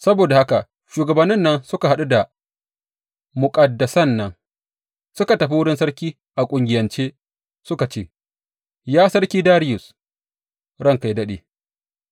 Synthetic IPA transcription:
sɐ˦boː˨da˨ha˦ka˨ | ʃuː˨ɡɐ˨bɐ˨nːɪ˦nːɐ˦nsʊ˦ka˨ɦa˦ɗu˦da˨ | mʊ˨kʼɐ˨dːɐ˨sɐ˦nːɐ˦ŋ | sʊ˦ka˨tɐ˨ɸi˦wʊ˦ɽɪ˦nsɐ˦ɽkʲiː˦ | ʔa˨kʷʼʊ˨ŋɡʲɪ˨jɐ˨nt͡ʃeː˦ | sʊ˦ka˨t͡ʃeː˦˨ | jaː˦sɐ˦ɽkʲiː˦daː˦ɾɪ˦jʊ˨s | ɽɐ˦ŋka˨jdɐ˦ɗḛː˨

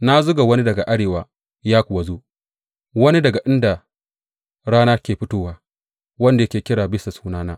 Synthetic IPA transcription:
na˦zʊ˦ɡa˨wɐ˦ni˦dɐ˨ɡa˨ʔa˦ɽeː˨waː˨ | jaː˦kʷʊ˨wa˨zoː˦ | wɐ˦ni˦dɐ˨ɡa˨ʔɪ˦nda˨ | ɽaː˦naː˦rkʲeː˨ɸɪ˦toː˦waː˦ | wɐ˦nda˨jɐ˦kʲeː˨kʲɪ˦ɽaː˨bɪ˦sa˨suː˦naː˦naː˦

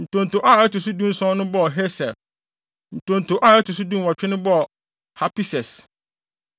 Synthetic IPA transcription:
n̩˨tʰõ˨n̩˨tʰo˨ʔa˦˨ɛ˦tu˨s̬u˦dũ˦n̩˦sɔ̃˦nʊ̃˦bɔ˦˨ɦe˦sɛ̰˨ | n̩˨tʰõ˨n̩˨tʰo˨ʔa˦˨ɛ˦tu˨su˦dũ˦n˦wɔ˨t͡ɕᶣʰɛ˦nʊ̃˦bɔ˦˨ | ha˦pi˦sɛ˨s

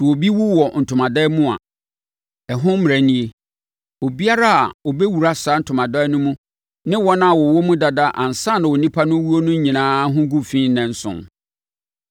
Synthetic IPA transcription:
swo˨bi˦wu˦wɔ˨n̩˨tʰʊ˨mã˨dɛː˦mũ˦a̰˨ | ɛ˨ɦʊ̃˦m̩˦m˨æ˨nĩ˦e˨ | o˨bi˦a˦ɾa˦a̰˨o˨be˦wu˨ɾa˦sa˨˦n̩˦tʰʊ˨mã˨dɛ˦nʊ̃˦mũ˦ | nɪ̃˦wɔ̃˦nã˦a˨wɔ˨wɔ˦mũ˦da˨da˦ʔa˨n̩˨sã˦˨nã˨wo˨nĩ˦pʰa˦nʊ̃˦wu˦o˦nʊ̃˦ɲĩ˨nãː˦ɦʊ̃˦ɡũ˦fĩː˦n̩˦nɛ̃˨n̩˦sʊ̰̃˨n

